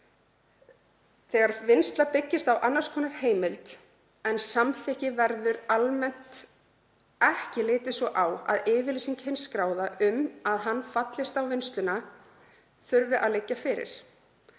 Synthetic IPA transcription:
θɛɣaɾvɪnst̪lapɪcːɪst̪awʔanːaɾ̥skʰɔːnaɾ̥heːjmɪlt̪ | ɛnsamθɪhcɪvɛɾðʏɾalmɛn̥t̪ | ɛhcɪlɪːt̪ɪsɔʔawa̰ðɪːvɪlisiŋchɪnskɾaːwðaʏmaðɦanːfat̪lɪst̪awvɪnst̪lʏna | θʏɾvɪʔa̰ðlɪcːafɪɾɪ̰ɾ̥

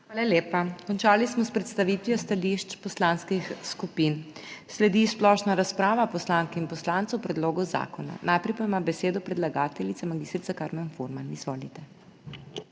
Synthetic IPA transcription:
xʋaːlaljeːpakɔnt͡ʃaːlismɔspɾɛt̪st̪aʋiːt̪ʋiɔst̪aliʃt͡ʃpɔslanskixskupinslɛd̪isplɔʃnaɾaspɾaːʋapɔslaːŋkɛinpɔslaːnt̪sɛwpɾɛd̪loːɡɔza̰ːkɔna̰nʔajpɾɛjpaimabɛseːd̪ɔpɾɛd̪laɡaːt̪ɛlit̪samaɡist̪ɾit̪sakaːɾmɛnfoɾmanizʋoːlit̪ɛ

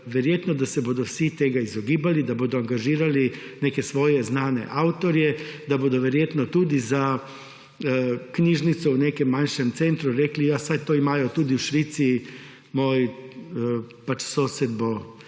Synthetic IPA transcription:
ʋɛɾjeːt̪nɔd̪asɛboːd̪ɔwsit̪eːɡaizɔɡiːbalid̪aboːd̪ɔaŋɡaʒiːɾalineːkɛsʋɔːjɛznaːnɛ̰ʔawt̪ɔɾjɛd̪aboːd̪ɔʋɛɾjeːt̪nɔt̪ud̪iza | kniːʒnit̪sɔwneːkɛmːanʃɛmt̪sent̪ɾuɾeːklijasajt̪oːimaːjɔt̪uːd̪iwʃʋit̪si | moːj | pat͡ʃsoːsɛd̪bo

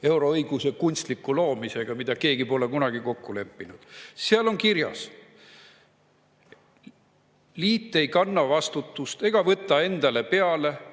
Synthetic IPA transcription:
e̞wɾo̞ɤjɡ̥use̞kunʲst̪likːˑulo̞ːmise̞ɡ̥ɑmid̪̥ɑke̞ːɡipo̞lekunɑɡ̥iko̞kːule̞pːinud̪̥seɑlo̞nkiɾjɑ̰s | liːt̪ˑːe̞jkɑnːɑvɑst̪ut̪ːust̪e̞ɡ̥ɑvɤt̪ːˑɑe̞nd̪̥ɑle̞pe̞ɑle̞

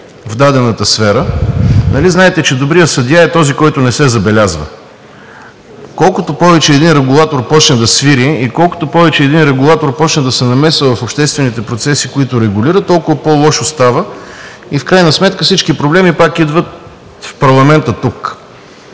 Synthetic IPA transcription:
vd̪ad̪ɛnət̪əsfɛɾənɐliznaɛt̪ɛt͡ʃɛd̪obɾijəsɐd̪ʲjaɛt̪ɔzikɔjt̪ʊnɛsɛzɐbɛlʲazvə̰ | kɔlˠkʊt̪opɔvɛt͡ʃɛːd̪inɾɛɡulˠat̪oɾpɔt͡ʃnɛd̪ɐsviɾiikɔlˠko̥t̪opɔvɛt͡ʃɛːd̪inɾɛɡulˠat̪oɾpɔt͡ʃnɛd̪ɐsɛnɐmɛsəvɐfopʃt̪ɛst̪vɛnit̪ɛpɾot̪sɛsikoit̪ʊɾɛɡuliɾət̪t̪ːɔlˠkʊvəpolˠɔʃost̪avə | ifkɾajnəsmɛt̪̚kəfsit͡ʃkipɾoblɛmipakid̪vət̪ | fpɐɾlˠɐmɛnt̪ət̪uk

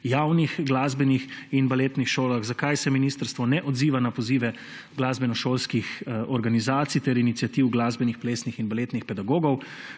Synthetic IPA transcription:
jaːwnixɡlazbɛnixinbaleːt̪nixʃoːlaɣzakajsɛminiːst̪əɾst̪ʋɔnɛʔɔd̪ziːʋanapɔziːʋɛ | ɡlaːzbɛnɔʃoːlskixɔɾɡanizaːt̪sijt̪ɛɾinit̪sijat̪iwɡlaːzbɛnixpleːsnixinbalet̪nixpɛd̪aɡoːɡɔw

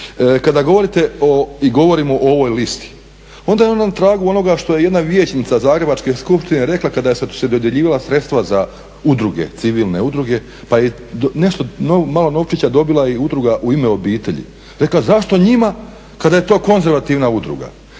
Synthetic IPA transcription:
kad̪aɡo̞ʋo̞ɾit̪e̞oiɡo̞ʋo̞ɾimoʔoʋojlist̪i̥ | o̞nd̪ajeonat̪ɾaːɡuo̞no̞ɡaʃt̪o̞je̞je̞d̪naʋjet͡ɕnit̪sazaːɡɾe̞bat͡ʃke̞skupʃt̪ineɾe̞klˠakad̪ajessed̪o̞d̪jeʎiːʋalˠasɾe̞t̪st̪ʋaza | ud̪ɾuɡe̞̰t̪siʋiːlˠne̞ud̪ɾuɡe̞ | paje | neʃt̪o̞nomalˠo̞no̞ʋt͡ʃit͡ɕad̪o̞bilˠaiud̪ɾuɡaʔuimeo̞biːt̪e̞ʎḭ | ɾe̞klazaʃt̪o̞ɲima | kad̪aje̞t̪o̞ːko̞nze̞ɾʋat̪iʋnaud̪ɾṵɡa̰

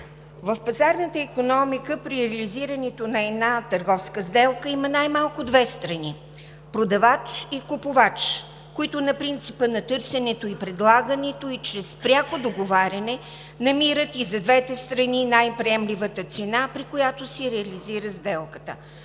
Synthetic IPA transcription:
vəfpɐzaɾnət̪əikonɔmikəpɾiɾɛliziɾənɛt̪onɐɛd̪nat̪əɾɡɔfskəzd̪ɛlˠkəimɐnajmalˠkʊd̪vɛst̪ɾɐni | pɾod̪ɐvat͡ʃikʊpʊvat͡ʃ | koit̪ʊnɐpɾint̪sipənɐt̪ɤɾsɛnɛt̪oipɾɛd̪lˠaɡənɛt̪oit͡ʃɾɛspɾʲjakod̪oɡovaɾʲɐnɛ | nɐmiɾət̪izɐd̪vɛt̪ɛst̪ɾɐninajpɾiɛmlivət̪ət̪sɛnapɾikojat̪osiɾɛɐliziɾəzd̪ɛlˠkə̥t̪ə̰

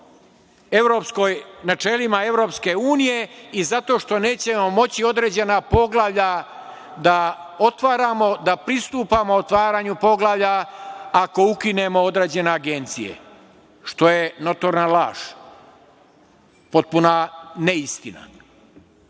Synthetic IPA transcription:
e̞ʋɾo̞psko̞jnat͡ʃe̞limae̞ʋɾo̞pske̞uːnije̞izat̪o̞ʃt̪o̞ne̞ːt͡ɕe̞mo̞mo̞t͡ɕio̞d̪ɾe̞ːd͡ʑe̞napo̞ɡlaʋʎa | d̪a | o̞t̪ʋaːɾamo̞d̪apɾist̪uːpamo̞ot̪ʋaːɾaːɲupo̞ɡlˠaʋʎaako̞ukine̞mo̞od̪ɾeːd͡ʑe̞ne̞aɡe̞nt̪sije̞̰ | ʃt̪o̞je̞no̞t̪o̞ɾnala̰ːʃ | po̞t̪̚punaneist̪ina̰

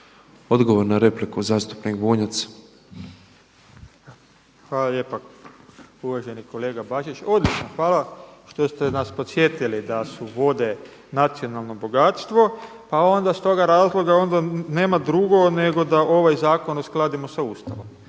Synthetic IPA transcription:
o̞d̪ɡoʋoɾnaɾe̞plikuzaːst̪u̥pnikboːɲat̪s | xʋaːlalje̞ːpa | uʋaʒe̞niko̞le̞ːɡabaʒit͡ʃo̞d̪lʲit͡ʃnoxʋaːlaʃt̪o̞st̪enaspo̞t̪sje̞t̪ilid̪asuʋo̞d̪e̞ | nat̪sio̞nalˠno̞bo̞ɡat̪st̪ʋo̞ | pao̞nd̪ast̪o̞ɡaɾaːzlˠo̞ɡao̞nd̪ane̞ːmad̪ɾuɡo̞ne̞ɡo̞d̪aʔo̞ʋajzaːko̞nosklˠad̪imosaust̪aʋom

